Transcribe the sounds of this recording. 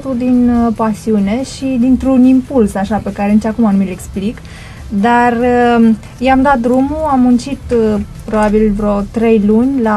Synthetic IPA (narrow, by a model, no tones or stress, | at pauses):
t̪uld̪inpasiune̞ʃid̪int̪ɾunimpulsaʃape̞kaɾenit͡ʃakumanumileksplik | d̪ar | jamd̪at̪̚d̪ɾumuamːunt͡ʃit̪pɾo̞babilvɾo̞t̪ɾe̞jlunʲla